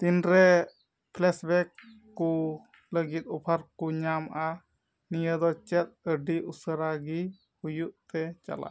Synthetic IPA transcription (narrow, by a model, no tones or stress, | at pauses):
t̪inɾɛ | pʰlɛsbɛkː | u | ləɡit̪̚ɔpʰaɾkuɲamʔa | nijəd̪ɔt͡ʃɛt̪̚əɖiʔusəɾaɡi | hujuʔt̪ɛt͡ʃa̰la̰ʔ